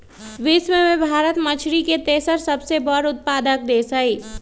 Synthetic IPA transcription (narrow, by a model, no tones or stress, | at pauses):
ʋɪswemẽbʱaːɾət̪mət͡ʃʰɾiket̪eːsəɾsɐbsebɔɾʊt̪̚paːd̪ək̚d̪eːsəiː